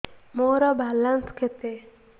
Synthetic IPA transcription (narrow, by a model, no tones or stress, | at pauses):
moɾɔbʱalanskʰet̪e